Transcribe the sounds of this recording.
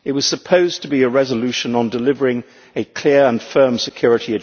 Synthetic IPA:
ɨt̚wʌz̥səpʰoʊztʰəbiɨɹɛzəlʉʃɨ̃nə̃ndəlɪvə˞ɪ̃ŋ | ɨkʰl̥ɪɹə̃nfɜ̃˞msɨkʰj̥ʊɹɨɾiɨ

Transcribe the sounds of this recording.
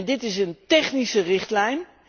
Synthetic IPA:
ndɪtɪsəntɛχnisərɪχtlɛjn

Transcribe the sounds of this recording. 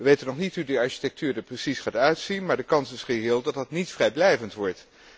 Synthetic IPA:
ʋəʋejtənɔχnitɦudəɑɹʃi̥tɛk̚tʰyːɹdəɹprəsisχaːtœɥtsinmaːɹdəkɑnsɪsχəɦɪːlˠdɑtdɑtnitfrɛjblɛjvəntʋɔɹt

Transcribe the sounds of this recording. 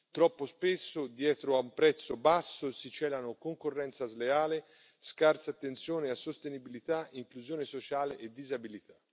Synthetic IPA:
t̪ɾɔpːospesːʊd̪jɛːt̪ɾoaumpɾɛt̪sːobasːosit͡ʃɛːlanokoŋkorːɛnt̪sazleaːle | skart̪sat̪ːent̪sjoːneasːost̪enibilit̪aiŋkluzjoːnesot͡ʃaːleʔed̪ːizabilit̪ḁ

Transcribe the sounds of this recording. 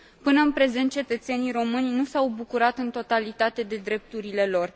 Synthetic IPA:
pɨnəɨnpɾe̞ze̞nt̪̚t͡ʃe̞t̪ət̪se̞nijɾo̞mɨnʲnusawbukuɾat̪ɨnt̪o̞t̪alit̪at̪e̞d̪e̞d̪ɾe̞p̚t̪uɾile̞lo̞r

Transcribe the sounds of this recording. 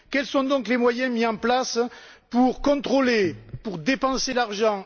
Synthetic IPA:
kɛlsɔ̃d̪ɔ̃klemwajɛ̃miɑ̃plas | puʁkɔ̃t̪χolepuʁd̪epɑ̃selaʁʒɑ̃

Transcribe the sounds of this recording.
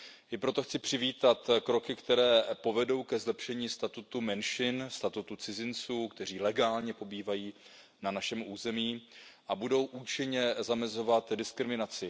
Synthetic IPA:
ʔɪpɾo̞t̪o̞xt͡sɪpr̥ɪviːt̪at̪kɾo̞kɪkt̪ɛɾɛːpo̞vɛdo̞wkɛzlɛpʃɛɲiːst̪at̪ut̪umɛnʃɪnst̪at̪ut̪ut͡sɪzɪnt͡suːkt̪ɛr̝iːlɛɡaːlɲɛpo̞biːvajiː | nanaʃɛmʔuːzɛmiːʔabudo̞wʔuːt͡ʃɪɲɛzamɛzo̞vat̪dɪskɾɪmɪnat͡sɪ

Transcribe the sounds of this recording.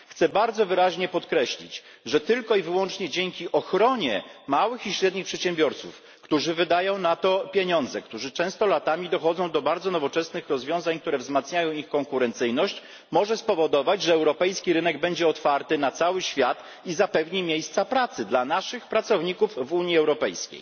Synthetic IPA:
xt̪sɛbaɾd̪zɔvɘɾaʑɲɛpɔt̪kɾɛɕlʲḭt͡ɕ | ʐɛt̪ɘlkɔivɘwɔnt͡ʂɲɛd͡ʑeŋkʲiʔɔxɾɔɲɛmawɘxiɕɾɛd̪ɲixpʂɛt̪ɕɛmbʲjɔɾt̪suf | kt̪uʐɘvɘd̪ajɔ̃w̃nat̪ɔpʲjeɲɔ̃nd̪zɛkt̪uʐɘt͡ʂɛ̃w̃st̪ɔlat̪amʲid̪ɔxɔd̪zɔ̃w̃d̪ɔbaɾd̪zɔnɔvɔt͡ʂɛsnɘxɾɔzvʲjɔ̃w̃zaɲk̚t̪uɾɛvzmat̪sɲajɔ̃w̃ixkɔŋkuɾɛnt̪sɘjnɔɕt͡ɕ | mɔʐɛspɔvɔd̪ɔvad͡ʑʐɛɛwɾɔpɛjskʲiɾɘnɛɡbɛɲd͡ʑɛɔt̪faɾt̪ɘnat̪sawɘɕfʲjat̪ | izapɛvɲimʲjejst̪sapɾat̪sɘd̪lanaʂɘxpɾatsɔvɲikufvuɲiɛwɾɔpɛjskʲḛj

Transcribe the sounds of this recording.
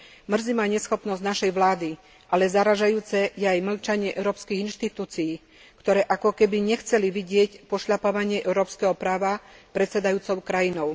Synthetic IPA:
mr̩zimaːɲɛsxɔpnɔzɟnaʃɛjʋlaːd̪i | ʔalɛzaɾaʒajuːt͡sɛjɛajml̩t͡ʃaɲɪɛʔɛʊɾɔːpskiɣinʃt̪it̪uːt͡sijiː | kt̪ɔɾɛːʔakɔkɛbiɲɛxt͡sɛliʋiɟɪɛcpɔʃʎapaʋaɲɪɛʔɛʊɾɔːpskɛɦɔpɾaːʋapɾɛt̪sɛd̪ajuːt͡sɔʊkɾajinɔʊ

